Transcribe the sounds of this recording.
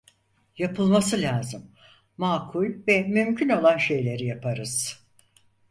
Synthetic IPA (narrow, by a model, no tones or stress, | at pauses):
japʰɯlˠmasɯlʲaːzɯmː | aːkʰulʲvɛmymcʰyno̞lˠanʃe̞jlʲe̞ɾijapʰaɾɯz̥